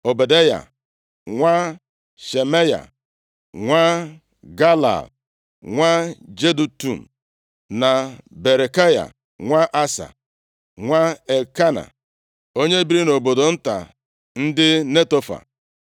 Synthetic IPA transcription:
o˨be˨de˦ja̰˨ | ŋʷa˦ | ʃe˨me˦ja̰˨ | ŋʷa˦ | ɡa˦la̰˨b | ŋʷa˦d͡ʒe˦du˨tu˨n̩˨ | na˨be˨ɾe˨ka˦ja̰˨ | ŋʷa˦ʔa˦sa̰˨ | ŋʷa˦e˨ka˦na̰˨ | o˦ɲe˦bi˦ɾi˦no˨bo˨do˨n̩˦ta̰˨ | n̩˦dɪ˦ne˦to˦fa̰˨

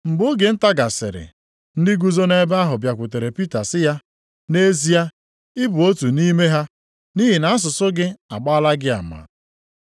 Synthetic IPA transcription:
m̩˨bʊ˦ɡe˨n̩˦ta˦ɡa˨sɪ̰˨ɾɪ̰˨ | n̩˦dɪ˦ɡu˦zo˦ne˦ba˦ɦʊ˨bja˨kʷʊ˨te˨ɾe˨pi˦ta˨sɪ˦ja˦ | ne˦zi˦ja˦ | ɪ˦bʊ˨o˦tu˨ni˦me˦ɦa˦ | ni˦ɦi˨na˨˦s̬ʊ˨sʊ˦ɡɪ˦a˨k͡pa˦la˦ɡɪ˦a̰˨ma̰˨

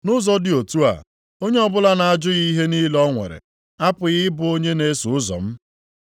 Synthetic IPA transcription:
nʊ˦zɔ˦dɪ˨o˨tu˦a̰˨ | o˦ɲe˦ɔ˦bʊ˦la˦na˨a˨d͡ʒʊ˦ɣi˦ɦe˦ni˦lɔ˦ŋʷḛ˨ɾḛ˨ | a˦pʊ˨ɣɪ˦bʊ˨o˦ɲe˦ne˦su˨˦ʊ˦zɔ̰˨m̩˦

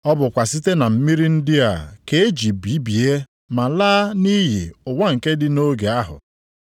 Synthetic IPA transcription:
ɔ˦bʊ˨kʷa˨si˦te˦na˨m̩˦mi˦ɾi˦n̩˦dɪ˦a̰˨ke˦e˦d͡ʒi˨bi˦bi˨e˦ | ma˨laː˦ni˦ɦḭ˨ʊ˨ŋʷa˦ŋ̩˨ke˦dɪ˦no˦ɡe˨a˦ɦʊ̰˨

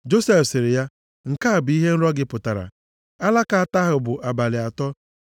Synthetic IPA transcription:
d͡ʒo˦se˦fsɪ˨ɾɪ˨ja˦ | ŋ̩˨ka˦a˨bi˦ɦe˦n̩˦ɾɔ˦ɡɪ˦pʊ˨ta˨ɾa̰˨ | a˦la˦ka˨a˨ta˦ɦʊ˨bʊ˨ʔa˨ba˨lɪ˨a˨tɔ˦

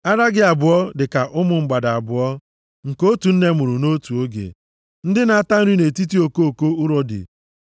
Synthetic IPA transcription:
a˦ɾa˦ɡɪ˦a˨bʊ˨ɔ˦dɪ˨ka˨ʔʊ˦mʊ˨ŋ͡m̩˦ɡ͡ba˨da˨a˨bʊ˨ɔ˦ | ŋ̩˨ko˦tu˨n̩˦ne˦˨mʊ˨ɾʊ˨no˦tu˨o˦ɡḛ˨ | n̩˦dɪ˦na˨a˦˨ta˦n̩˦ɾi˦ne˨ti˦ti˦o˨ko˦o˨ko˦ʊ˦ɾɔ˦dɪ̰˨

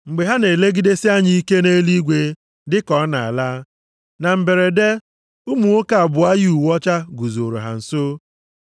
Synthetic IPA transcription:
ŋ͡m̩˨ɡ͡be˨ɦa˦ne˨le˦ɡi˦de˦sɪ˦a˦ɲi˦i˦ke˦ne˦li˦ɡʷe˦ | dɪ˦kɔ˦na˨a̰˨la˦ | na˨m̩˨be˨ɾe˨de˦ | u˦mu˨o˦ka˨a˨bʊ˨a˦ju˨wɔ˦t͡ʃa˦ɡu˨zo˨ɾo̰˨ɦa̰˨n̩˨so˦

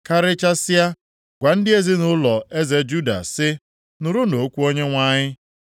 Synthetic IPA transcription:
ka˦ɾɪ˦t͡ʃa˦sɪ˦a˦ | ɡ̥ʷa˨n̩˦dɪ˦e˦zi˦nʊ˦lɔ˨ʔe˦ze˨d͡ʒu˦da̰˨sɪ˦ | nʊ˨ɾʊ˦no˨˦kʷu˦o˦ɲe˦ŋʷa˦ɲɪ˦

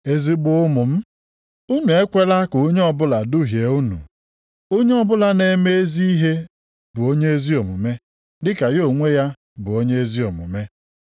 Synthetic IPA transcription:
e˦˨zi˨bʊ˨ʊ˦mʊ˨m̩˦ | u˦nu˨e˦kʷe˦la˦kʊ˨˦ɲ˦ɔ˦bʊ˦la˨du˦ɦje˨u˦nṵ˨ | o˦ɲe˦ɔ˦bʊ˦la˦ne˦me˦e˦zi˦i˦ɦe˦ | bʊ˨o˦ɲe˦e˦zi˦o˨mʊ˨me˦ | dɪ˦ka˨jo˦˨ŋʷe˦ja˦ | bʊ˨o˦ɲe˦e˦zi˦ɔ˨mʊ̰˨me˦

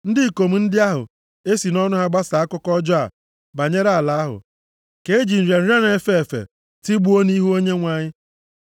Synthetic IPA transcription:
n̩˦dɪ˦˨ko˨m̩˨n̩˦dɪ˦a˦ɦʊ̰˨ | e˦si˨nɔ˦nʊ˦ɦa˦ɡ͡ba˦sa˨a˦kʊ˦kɔ˦d͡ʒɔ˦a̰˨ | ba˨ɲe˦ɾa˨a˨la˨˦a˦ɦʊ̰˨ | ke˨e˦d͡ʒi˨n̩˨ɾe˨n̩˦ɾa˦n˨e˨fe˦e˨fḛ˨ | ti˦ɡ͡bu˦o˦ni˦ɦu˦o˦ɲe˦ŋʷa˨ɲɪ˦

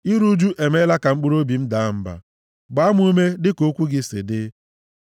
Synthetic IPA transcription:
i˦ɾu˦d͡ʒu˦ʔe˨me˦la˦ka˨ŋ͡m̩˦k͡pu˦ɾo˦bi˨m̩˦da˨˦m̩˦ba̰˨ | ɡ͡ba˦m˦u˦me˦dɪ˦ko˦kʷu˦ɡɪ˦sɪ̰˨dɪ˦

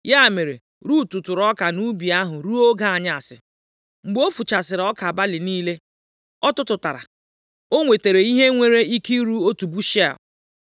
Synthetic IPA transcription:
ja˦˨me˨ɾe˨ | ɾu˦tʊ˨tʊ˨ɾɔ˦ka˨nu˦bi˨a˦ɦʊ˨ɾu˦o˦ɡa˦a˨ɲa˦a˨sɪ̰˨ | ŋ͡m̩˨ɡ͡bo˦fu˨t͡ʃa˨sɪ˨ɾɔ˦ka˨a˨ba˦lɪ˨niː˦le˦ | ɔ˦tʊ˦tʊ˨ta˨ɾa̰˨ | o˦ŋʷe˨te˨ɾe˨i˦ɦe˦ŋʷe˨ɾe˦i˦ki˦ɾu˦o˦tu˨bu˦ʃa̰˨

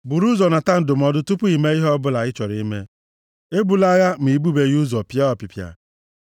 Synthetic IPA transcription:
bu˨ɾu˦zɔ˨na˨ta˦n̩˨dʊ˨m̩˨ɔ˨dʊ˦tʊ˦pʊ˦i˨me˦i˦ɦɔ˦bʊ˦la˨ɪ˦t͡ʃɔ˨ɾi˦mḛ˦ | e˦bu˨la˦ɣa˦m̩˨i˨bu˦be˨ɣu˦zɔ˨pja˦ɔ˨pi˨pja̰˨

